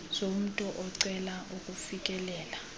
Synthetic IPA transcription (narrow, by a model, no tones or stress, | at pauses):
zom̩tʼɔʔɔǀɛlaʔukʼufik̬ʼɛlɛːla